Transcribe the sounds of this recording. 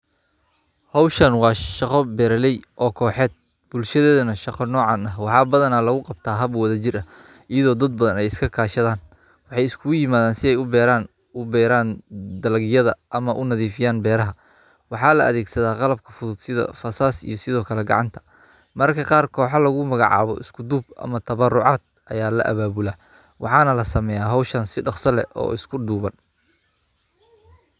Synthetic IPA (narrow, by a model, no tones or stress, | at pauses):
hɔwʃɐnwɑːʃɑqɔbɛːɾɐlɛjʔɔːkʰɔːħɛːd̪̚ | b̥ʊlʃɐðɛːðɐnɐʃɑqɔnɔːʕɑnɐɦwɑħɑːbɐðɐnaːlɐɣʊqɑb̚t̪ʰaːɦɐbwɐðɐt͡ʃɪrʔɐ | ɪjɐðɔːd̪ɐd̪̚bɐðɐnɛjɪskʰɐkʰaːʃɐðaːn | wɑħɑjɪskʰʊɣʊjɪmaːðaːnsɪɛjʊbɛːɾaːn | ʊbɛːɾaːnd̪ɐlɐɣjɐðɐʔɐmɐʔʊnɐðiːfɪjaːnbɛːɾɐɦɐ | wɑħɑːlɐʔɐ̰ðɛːɡsɐðaːqɑlɐb̚kʰɐfʊðʊd̪sɪðɐ̰fɐsaːsḭjɞsɪðɔːkʰɐlɛɡɑ̰ʕɑnt̪ʰɐ̥ | mɐrkʰɐqɑːrkʰɔːħɑlɐɣʊmɐɣɑ̰ʕɑ̰ːβɔ̰ʔɪskʰʊd̪uːbɐ̰mɐt̪ʰɐβɐrʊʕɑːd̪̥̚ | ʔɐ̰jaːlɐ̰ʔɐ̰βaːβʊlaː | wɑ̰ħɑːnɐlɐsɐmɛjaːɦɔwʃɐnsɪɖɑqsɐlɛ̰ʔɔ̰ːɪskʰʊɖuːβɐn